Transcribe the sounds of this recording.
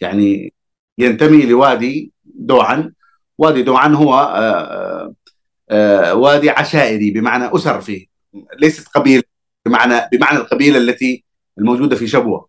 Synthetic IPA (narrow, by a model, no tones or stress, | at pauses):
jaʕni | jant̪amilɪwaːd̪i | d̪uːʕan | waːd̪id̪uːʕanɦʊwːa | waːd̪iʕaʃaːʔɪɾibɪmaʕnaʔʊsɑɾˤfiː | leːsḁt̪qɑbiːla | bɪmaʕnabɪmaʕnalqɑbiːlalːat̪i | ɪlmowd͡ʒuːd̪afiʃabwa̰